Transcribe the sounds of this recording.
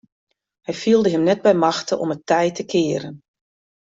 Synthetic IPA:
hɛjfiəlˠdəɦəmnɛt̚bɛjmɑxtəʔɔ̰mətʰɛjtʰəkʰɪəɾən

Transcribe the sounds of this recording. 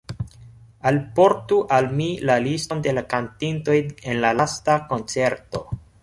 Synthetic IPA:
alpo̞ɾtuʔalmilalisto̞nde̞lakantinto̞jenlalastako̞nt͡se̞ɾto̞

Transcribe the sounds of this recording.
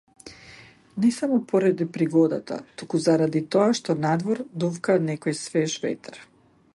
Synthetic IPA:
nɛsamɔpɔɾad̪ipɾiɡɔd̪a̰t̪a̰t̪ukuzaɾad̪it̪ɔaʃt̪ɔnad̪vɔɾd̪ufkanɛkɔjsvɛʒvɛ̰t̪aɾ

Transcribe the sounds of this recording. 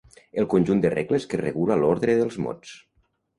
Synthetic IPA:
əlˠkunʲʒund̪ərḛɣləskerə̰ɣulalɔɾðɾəðəlˠzmɔ̰t͡s

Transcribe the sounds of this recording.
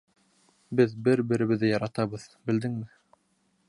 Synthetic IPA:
bɘðbɘɾbɘ̆ɾɘ̆βɘ̆ðɘjɑɾɑt̪ɑβɤðbɘ̆ld̪ɘŋmɘ

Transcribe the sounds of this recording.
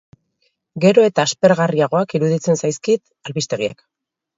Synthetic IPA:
ɡe̞ɾo̞e̞t̪aːspe̞ɾɣariaɣ̞o̞akiɾuðit͡se̞nsajskit̪ | alβist̪e̞ɣ̞iḛk

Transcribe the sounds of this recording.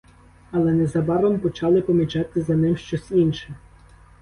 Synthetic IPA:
ɐlˠɛnɛzɐbɑɾɔmpɔt͡ʃɑlˠɪpɔmʲit͡ʃɑt̪ɪzɐnɪmʃt͡ʃɔsʲinʃɪ

